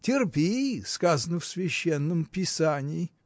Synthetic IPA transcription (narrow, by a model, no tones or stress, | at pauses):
tʲɪrpʲeskazənəfsvʲɪɕːenːəmpʲɪsanʲɪː